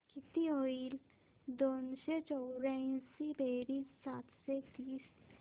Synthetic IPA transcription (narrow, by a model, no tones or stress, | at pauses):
kɪt̪ioːil | d̪oːnset͡ʃɔːɾaĩsibeːɾisaːt̪ʰset̪iːs